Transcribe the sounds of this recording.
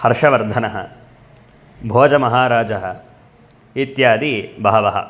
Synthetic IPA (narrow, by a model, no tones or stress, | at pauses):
hɐɾʂɐʋɐɾd̪ʱɐnɐɦɐ̰ | bʱoːd͡ʒɐmɐɦaːɾaːd͡ʒɐɦɐ | it̪jaːd̪ibaːɐʋɐɦɐ̰